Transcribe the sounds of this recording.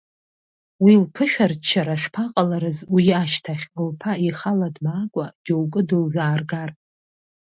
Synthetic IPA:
wilpʰɨʃᶣart͡ʃʰːaɾaʂpʰaqʼalaɾɨzwiaʃtʰaχʲɨlpʰaiχaladmaːkʷʼad͡ʒowkʼɨdɨlzaːrɡar

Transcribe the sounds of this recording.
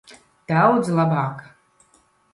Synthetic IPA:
t̪awd̪zlˠabaːk

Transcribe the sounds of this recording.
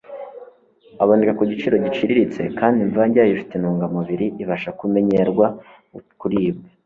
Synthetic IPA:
aβandikakuɟit͡ʃiɾo̞ɟit͡ʃiɾiɾit͡se̞̰kʰaːndiɱvaɲɟaːjifi̥tenuːŋɡamuβiɾiʔiβaʃakume̞ɲeɾɡwa | kuɾiːbɡa

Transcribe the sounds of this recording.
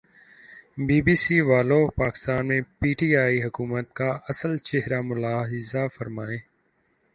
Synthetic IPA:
biːbiːsiːʋaːlopaːkɪ̥st̪aːnmẽpiːʈiːaːiːɦʊkuːmət̪̚kaɐsəlt͡ʃeɦɾamʊlaːɦɪzafəɾmaːeː

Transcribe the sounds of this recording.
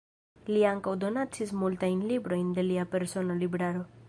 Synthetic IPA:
liaŋkawd̪o̞nat͡sismultajnlibɾo̞jnd̪e̞liape̞ɾso̞nolibɾaɾo̞

